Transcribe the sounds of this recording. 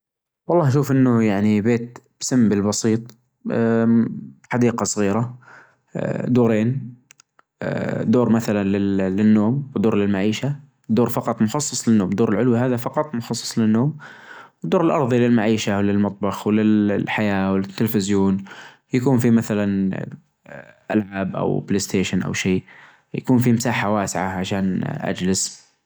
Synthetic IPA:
wɑlˤːɑːhʃuːfʔɪnːʊjaʕnibeːt̪̚b̥samːbɪlbɑsiːt̪ˤ | ħad̪iːqɑsˤɣiːɾa | d̪uːɾeːn | d̪oːɾmaθalanlɪlɪnːoːmwɪd̪oːɾlɪlmaʕiːʃa | d̪oːɾfɑqɑt̪ˤmʊxɑsˤːɑsˤlɪnːoːmd̪oːɾɪlʕʊlwiɦaːðafɑqɑt̪ˤmʊxɑsˤːɑ̥sˤlɪnːoːmwɪd̪ːoːɾɪlʔɑɾˤðˤilɪlmaʕiːʃawlɪlmɑt̪ˤbɑxwɪlɪlħajaːwɪlɪt̪ːɪlfɪzjoːn | jakuːnfimaθalan | ʔa̰lʕaːbʔa̰wpleːst̪eːʃɪnʔa̰wʃiː | ja̰kuːnfimɪsaːħawaːsɪʕaʕaʃaːnʔa̰d͡ʒlɪs

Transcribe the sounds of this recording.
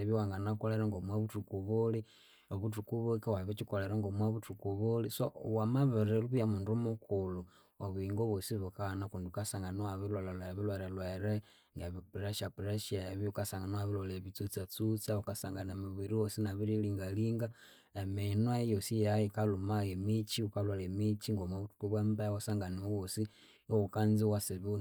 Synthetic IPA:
eβjwaŋɡanakoleɾaŋɡomwaβutukuβuli | oβutukuβukiwaβit͡ʃikoleɾaŋɡomwaβutukuβulisowamaβeɾeluβujamundumukulu | oβuiŋɡoβosiβukanakunduukasaŋɡanuwaβilolalaβilweɾelweɾe | ŋɡɛβipɾɛʃapɾɛʃaβiukasaŋɡanwaβilɔlɛβit͡sut͡sat͡sut͡saukasaŋɡanamiβiɾiwɔsinaβiɾiliŋɡaliŋɡa | ɛminwajɔsijajikalumajɛmit͡ʃiukalwalɛmit͡ʃiŋɡɔmaβutu̥kuβwɛmbawasaŋɡaniowɔsi | ukanziwasiβun

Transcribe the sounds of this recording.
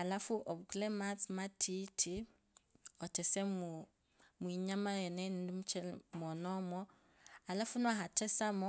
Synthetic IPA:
alafuʔɔbukulɛmat͡smatʰitʰi | ɔtʰɛsɛmu | mwiɲamajɛnɛndimut͡ʃɛlmɔnɔmɔ | alafunwaɦatʰɛsamɔ

